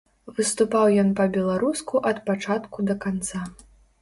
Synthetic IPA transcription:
vɨst̪upawjɔnpɐbʲɛlˠaɾuskuʔɐt̪pat͡ʂat̪kud̪ɐkant̪sa

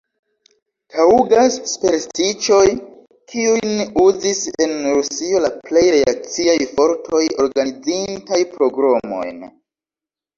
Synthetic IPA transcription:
tʰauɡasːpe̞ɾstit͡ʃo̞j | kʰiujnuzise̞nɾussio̞laple̞jɾeak̚t͡siajfo̞ɾtʰo̞jo̞ɾɡanid͡zintajpɾo̞ɡɾomo̞̰jn

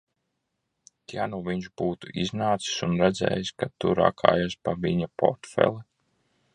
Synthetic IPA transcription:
t̪januviɲʒb̥uːt̪uʔiznaːt̪si̥sunɾɛd̪zɛ̰ːjiskat̪uɾa̰kʰa̰ːjaspaviɲapɔ̰ɾt̪fɛ̰lˠɛ

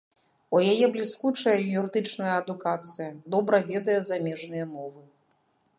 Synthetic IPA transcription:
ujajɛblʲiskut͡ʂɐjɐjuɾɨd̪ɨt͡ʂnɐjɐːd̪ukat̪sɨjɐd̪ɔbɾɐvʲɛd̪ɐjɛzamʲɛʐnɨjɐmɔvɨ

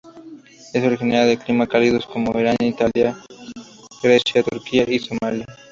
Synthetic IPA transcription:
esoɾixineaðeklimakaliðosko̞moeɾaɲait̪alja | ɣɾesjat̪uɾkiaʔisomalja

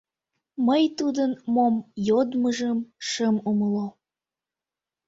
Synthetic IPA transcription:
məjt̪ud̪ənmomjod̪məʒəmʃəmuməlo

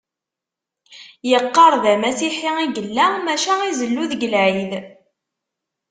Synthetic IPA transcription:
jəqːɑɾˤðæmæsiħiiɡəlːæmæʃæizəlːuðɡəlʕið

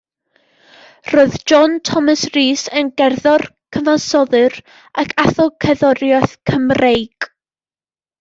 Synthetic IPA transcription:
roɨðd͡ʒɔntʰɔmasriːsənɡɛrðɔrkʰəvasɔðɨr | akʰaθɔkʰəðɔɾjaθkʰəmrejɡ̥

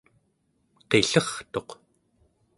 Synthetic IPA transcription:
qe̞ɬʌχt̪o̞q

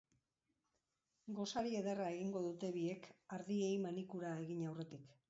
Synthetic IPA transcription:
ɡo̞saɾie̞ðerae̞ɣiŋɡo̞ðut̪e̞βie̞kaɾðie̞jmanikuɾae̞ɣiɲawre̞t̪ik

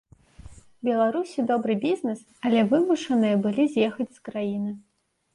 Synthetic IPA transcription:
bʲɛlˠaɾusʲid̪ɔbɾɨbʲiznɨs | ɐlʲɛvɨmuʂɐnɨjɐbɨlʲizʲjɛxɐt͡sʲskɾajinɨ

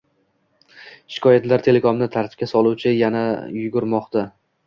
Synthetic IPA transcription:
ʃɪ̥kʰɒjat̪laɾt̪ʰe̞le̞komnɪt̪ʰaɾt̪ʰɪ̥p̚kʲasɒlˠuwt͡ʃʰɪjanajʊɡʊɾmɒqt̪a

